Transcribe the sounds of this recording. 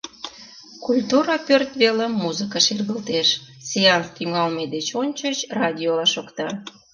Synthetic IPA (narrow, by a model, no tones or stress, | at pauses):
kulʲt̪uɾɑpørt̪βelemːuzəkəʃirɣəlt̪eʃ | sʲeɑnst̪yŋɑlmed̪et͡ɕonʲt͡ɕət͡ɕrɑd̪ʲiolɑʃokt̪ɑ